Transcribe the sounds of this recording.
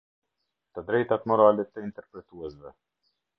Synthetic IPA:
t̪əd̪ɾɛjt̪at̪mɔɾalɛt̪əint̪ɛɾpɾɛt̪uɛsvɛ

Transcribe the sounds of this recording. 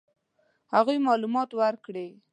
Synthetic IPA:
haɣujmɑlumɑt̪waɾkɽe

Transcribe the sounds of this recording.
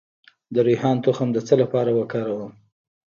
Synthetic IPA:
d̪əɾujhɑnt̪oxamd̪ət͡səlapɑɾawəkɑɾawəm

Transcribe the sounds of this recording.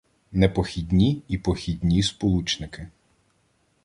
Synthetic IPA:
nepɔxʲidʲnʲiipɔxʲid̪ʲnʲispɔlˠut͡ʃnɪkɪ

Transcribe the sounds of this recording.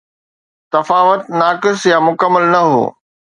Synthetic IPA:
t̪ɐfaːʋət̪naːkɪsjamʊkəmːəlnɐɦo̰ː

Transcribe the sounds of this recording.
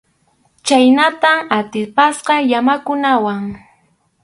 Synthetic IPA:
t͡ʃajnat̪amat̪ɪpasqɑjamakʊnawaŋ

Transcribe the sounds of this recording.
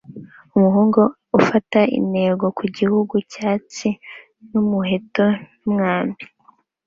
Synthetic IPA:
umuɦuːŋɡo̞ | ufataḭne̞ːɡo̞kʰuɟihuɡucaːt͡si | numuɦe̞to̞ | umŋaːmbi̥

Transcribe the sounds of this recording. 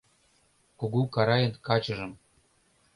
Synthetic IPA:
kuɡukɑɾɑjɤ̆nkɑt͡ɕɤ̆ʒɤ̆m

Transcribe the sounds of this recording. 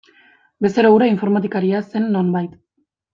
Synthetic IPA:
be̞st̪eɾauɾaiɱfo̞ɾmat̪̬ikaɾiase̞nːo̞mbajt̪

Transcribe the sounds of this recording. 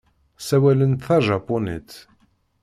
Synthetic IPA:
sæwælənt̪θɑʒɑpːonḭt̪

